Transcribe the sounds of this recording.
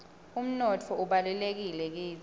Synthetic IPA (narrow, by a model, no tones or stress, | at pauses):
um̩nɔtʰɔuɓalɛlek̬ilɛk̬iː